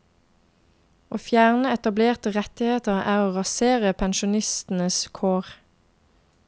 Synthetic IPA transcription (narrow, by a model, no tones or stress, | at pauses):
ʔoːfjæːʁnəɛt̪ɑbleːʁt̪əʁɛt̪ɪheːt̪əʁæːʁoːʁɑseːʁəpʰɛnʃʊnɪst̪n̩əskʰoːʁ